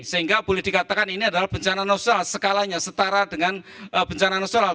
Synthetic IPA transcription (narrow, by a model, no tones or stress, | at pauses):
səɦiŋɡab̥olɛhd̥ikat̪akaniniadalahb̥əɲt͡ʃananosalsəkalaɲasət̪aɾadəŋanəbəɲt͡ʃananosona